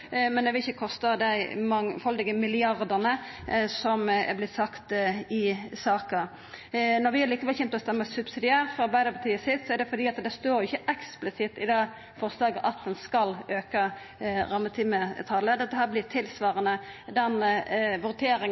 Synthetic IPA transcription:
mɛnɛʋɪlɪçːəkʰɔst̪ɑd̪æɪmɑŋfɑld̪ɪɡəmɪlɪɑɾd̪əʁnəsɔmɛ̰blɪt̪sɑkt̪ɪsɑːkɑ | nɔɾʋɪhæɾliːkəʋɛlçɛnt̪ɔst̪ɛmːəsʉbsɪd̪ɪæːɾfɔɾɑɾbæɪəpʰɑt̪ʰiːəsɪt̪sɔæɾd̪ɛfɔɾd̪iːɑt̪d̪ɛst̪oːɾjɪçːəʔɛksplɪsɪt̪ːɪd̪ɛː | fɔʁslɑːɡəʔɑt̪̚d̪ɛnskɑløːkɑ | ɾɑmːət̪ʰɪmət̪ʰɑləd̪ɛt̪ːəɦæːʁblɪt̪ʰɪlsʋɑːɾənəd̪ɛnʋʉɾt̪ʰeːɾɪŋ

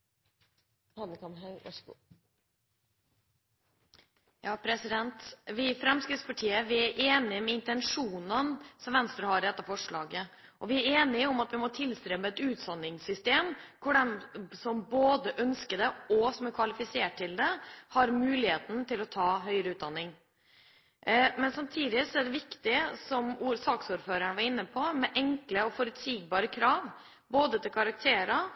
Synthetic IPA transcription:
hɑnːəkɑmɦɑ | jɑːpʰɾɛsɪd̪ɛnt̪ʋɪfɾɛmskɾɪt̪spʰɑʈʰiːəʋɪæɾʔeːnɪmɛɪnt̪ɛnʂuːnənsɔmʋɛnst̪ɾəɦɑɾɛt̪ːəfɔʂɭɑːɡə | ʔɔʋɪæɾeːnɪɔmɑt̪ʋɪmɔt̪ʰɪlst̪ɾɛmːəɛt̪ʉːt̪sɑnːɪŋsʏst̪eːmkʰʊɖɛmsɔmboːd̪əʔœnskəd̪ɛɔsɔmæɾkʰʋɑlɪfɪseːʈ̚ʰːɪld̪ɛhɑɾmʉːlɪheːt̪n̩t̪ɪlɔt̪ʰɑːɦœʏəɾəʉːt̪̚d̪ɑnːɪŋ | mɛnsɑmt̪ʰiːd̪ɪsɔæɖɛʋɪkt̪ɪsɔmuːɾsɑːksuːɾføːɾæɳəʋɑɾɪnːəpʰɔmɛʔɛŋkləɔfɔɾʉt̪siːɡ̚bɑːɾəkʰɾɑːʋ | boːd̪ət̪ʰɪlkʰɑɾɑk̚t̪ʰeːɾɑ

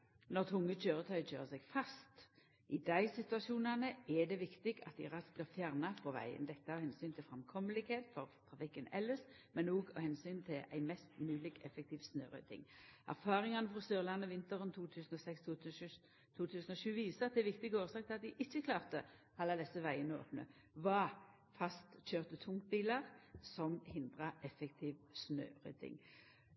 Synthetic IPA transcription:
nɔʁt̪ʰʊŋːət͡ʃøːʁət̪ʰœʏc͡çʰø̰ːʁəsɛɡfɑst̪ | ʔɪd̪æɪsɪt̪ʉɑʃuːnɑnəæd̪ɛʋɪkt̪ɪɡɑ̰t̪̚ːɪ̰ʁɑslɑfjæːʁnɑfɔʋæ̰ɪə̰nd̪ɛt̪ːɑhɛnsyːnt̪ʰɪlfʁɛmkʰɔməlɪɡheːt̪fɔʁt̪ʰʁɑfɪkːənɛlːəs | mɛnoːɡɔhɛnsyːnt̪ʰɪlæ̰ɪmɛst̪mʉːlɪɡɛfɛk̚t̪ʰiːʋsnø̰ːʁœ̰t̪ʰɪ̰ŋʔæ̰ʁfɑːʁɪŋɑnəfʁɔsyːʁlɑnːəʋɪnt̪əʁənt̪ʰuːt̪ʰʉːsənɔsɛkst̪ː | t̪ʰuːt̪ʰʉːsən̩ɔʃʉːʋiːsəʁɑt̪̚d̪ɛʋɪk̚t̪ɪɡəoːʁsɑːk̚t̪ʰɪɑt̪̚d̪ɪʔɪçːəkʰlɑːʁt̪ə | ɑlːɑd̪ɛsːəʋæɪənəo̰ːpnə̰ | ʋɑ | fɑst̪c͡çøːʁt̪ət̪ʰʊŋkt̪̚biːləʁsɔmhɪnd̪ʁəʔɛfɛkt̪ʰiːʋsnø̰ːʁœ̰t̪ɪ̰ŋ

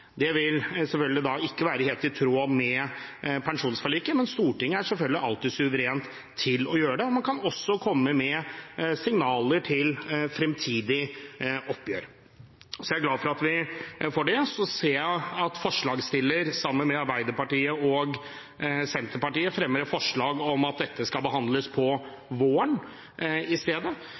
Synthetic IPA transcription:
d̪ɛʋɪlsɛlfœlɡ̪lɪd̪ɑɪkːəʋæːɾəheːlt̪ɪt̪ʰɾoːmɛpʰɛnʂuːnsfɔɭiːkəmɛnst̪uːʈɪŋːəæʂɛlfœlɡ̪lɪʔɑlt̪ɪsʉʋəɾeːnt̪ʰː | ɪlɔjøːəɖɛɔmɑnkʰɑnɔsːɔkʰɔmːəmɛsɪŋnɑːləʈʰɪlfɾɛmt̪ʰiːd̪ɪʔɔpːjøːɾ | sɔjæɡlɑːd̪fɔɾɑt̪ʋɪfɔɖɛsɔseːæɑt̪fɔʂɭɑːɡst̪ɪlːəɾsɑmːənmɛɑɾbæɪd̪əɾpɑʈiːəɔɡ | sɛnt̪əɾpɑʈiːəfɾɛmːəɾəfɔʂɭɑːɡɔmɑt̪̚d̪ɛt̪ʰːəskɑlbəɦɑnd̪ləspʰɔ | ʋoːəɳ | ɪst̪eːd̪ə

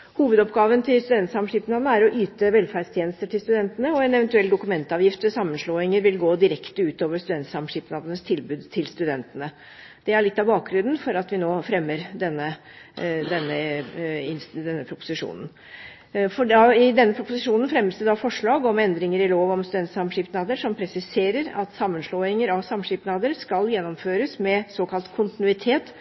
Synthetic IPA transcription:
huːʋəd̪ɔpɡɑːʋənt̪ʰɪlst̪ʉd̪ɛnt̪sɑmʂiːpnɑd̪nəæɾɔʔyːt̪əʋɛlfæɾɖst̪ʰjeːnəst̪əʈʰɪlst̪ʉd̪ɛnt̪ənəɔɛnɛʋənt̪ʉɛld̪ʊkʉmɛnt̪əɑːʋjɪft̪mɛsɑmːənʂɭoːɪŋəɾʋɪlɡoːd̪ɪɾɛkt̪əʉːt̪oːʋəst̪ʉd̪ɛnt̪sɑmʂɪpnɑd̪ənəst̪ʰɪlbʉːd̪t̪ʰɪlst̪ʉd̪ɛnt̪ənə | d̪̥ɛæɭɪt̪ːɑʋbɑːk̚ɡɾʉnn̩fɔɾɑt̪ʋɪnoːfɾɛmːəɾd̪ɛnːə | d̪ɛnːə | ɪnsd̪ɛnːəpʰɾʊpʊ̥sɪʂṵːnən̩ | fɔɖɑɪd̪ɛnːəpʰɾʊpʊsɪʂuːnənfɾɛmːəst̪ɛd̪ɑfɔʂɭɑːɡɔmɛnd̪ɾɪŋəɾɪloːʋɔmst̪ʉd̪ɛnt̪sɑmʂɪːpnɑːd̪əʂɔmpʰɾɛsɪseːɾəɾɑt̪sɑmːənʂloːɪŋəɾɑʋsɑmʂipnɑːd̪əɾskɑljɛnːɔmføːɾəsmɛsoːkʰɑlt̪kʰʊnt̪ɪnʉɪt̪ʰeːt̪

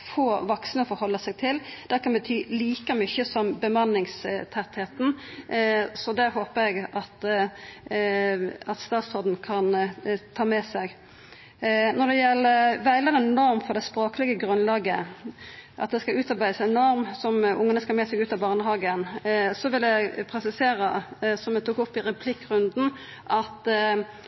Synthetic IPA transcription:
foːʋɑksənəɔfɔɾhɔlːəsæɡ̚t̪ʰɪld̪̥ækʰɑnbət̪ʰyːliːkəmʏçəsɔmbəmɑnːɪŋst̪ʰɛt̪heːt̪n̩ | sɔd̪æhoːpəɾɛɡɑt̪ | ɑt̪st̪ɑːt̪sɔd̪n̩kʰɑnt̪ʰɑːmɛsɛɡ | nɔd̪ɛjɛlːəʋæɪləʁɛnnɔɾmfɔɾd̪ɛspɾoːkəlɪɡəɡɾʉnlɑːɡə | ʔɑ̰t̪̚d̪ɛskɑlʉːt̪ɑɾbæɪəsɛnɔɾmsɔmʊŋːənəskɑlmɛsɛɡʉːt̪ɑbɑːʁnəɦɑːɡənsɔʋɪljæɡpʰɾɛsɪseːɾəsɔmɛt̪ʰuːkʊpːɪɾɛpʰlɪkːɾʉnd̪n̩ | ʔɑt̪

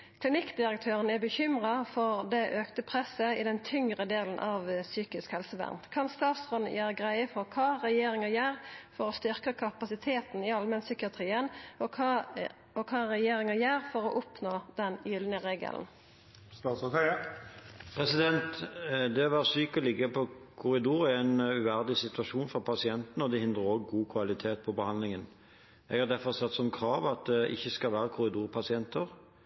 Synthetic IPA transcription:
kʰlɪnɪkːd̪ɪʁəkt̪ʰøːʁənæbəçʏmʁɑfɔʁd̪ɛʔøːkt̪əpʰʁɛsəɪd̪ɛnt̪ʰʏŋʁəd̪eːln̩ʔɑʋsyːkɪskhɛlsəʋæ̰ʁnt̪kʰɑnst̪ɑːt̪sʁɔn̩jʔæːʁəɡʁæɪəfɔʁkʰɑːʁɛjeːʁɪŋɑjæːʁfɔʁɔst̪ʏʁkəkʰɑpɑsɪt̪ʰeːt̪n̩ɪɑlmɛnsʏkɪɑt̪ʰʁiːənɔ | ɔkʰɑːʁɛjeːɾɪŋɑjæːʁfɔʁɔʔʊpnoːd̪̥ɛnjʏlnəʁeːɡə̰ln̩ | st̪ɑːt̪sɔt̪ʰɛ | pʰɾɛsɪd̪ɛnt̪d̪ɛɔʋæːʁəsyːkɔlɪɡəpʰɔkʰʊɾɪd̪uːʁɛɛnʉʋæʁd̪ɪsɪt̪ʉɑʃuːnfɔpʰɑsɪɛnt̪nəɔd̪ɛhɪnd̪ʁəʁɔːɡɡuːkʰʋɑlɪt̪ʰeːt̪̚pʰɔbəhɑnd̪lɪŋən | ɛ̰ɡhɑɾd̪æfɔʁsɛt̪ːsɔmkʰɾɑːʋɑt̪̚d̪ɛʔɪ̰çːəskɑlʋæːɾəkʰʊɾɪd̪uːʁpʰɑsɪɛnt̪əʁ

